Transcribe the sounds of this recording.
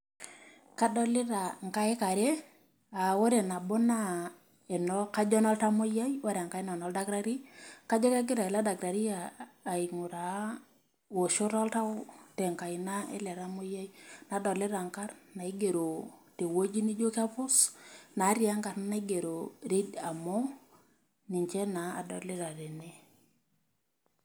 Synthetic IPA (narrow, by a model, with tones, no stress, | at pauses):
ka˦dɔ˦lɪ˦ɾa˨ŋ˨ka˦e˦ka˨ɾe˦ | a˨wo˦ɾe˨na˨bɔ˦na˦ | e˨nɔ˦ka˦d͡ʒɔ˦nɔ˦lta˦mo˦ja˦jwa˦ɾa˨ŋka˦i˦na˨nɔ˦lda˦ɡɾa˦ɾi˦ka˦d͡ʒɔ˦ka˦ɡi˦ɾa˨e˨la˦da˨ɡɾa˨ɾi˦aː˨i˨ŋʊ˨ɾa˨˦ | wo˨ʃo˦ɾɔ˦lta˦tɛ˨ŋka˨ɪ˨na˦ɛ̰˦lɛ˨ɾa˦mʊ˦ja˦jna˨dɔ˨lɪ˦ɾa˨ŋka˦rna˨i˦ɡe˨ɾo˨te˨wo˦d͡ʒi˦ni˦d͡ʒo˦ka˦pʊ˦sna˨˦ɾja˦ŋka˨ɾnna˦i˦ɡe˨ɾo˨ɾe˦da˨mɔ˦ | ni˨ɲt͡ʃe˦na˨a̰˨dɔ˨lɪ˦ɾa˨ɾe˨ne˦